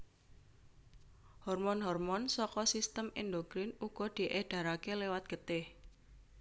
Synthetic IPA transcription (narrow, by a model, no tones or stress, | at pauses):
hɔrmɔnɦɔrmɔnsɔkɔsist̪əmḭnd̪oɡ̥ɾɪnuɡ̥ɔ̤d̪̥i̤ʔeɖ̥a̤ɾakelewat̪̚ɡ̥ə̤t̪ɪh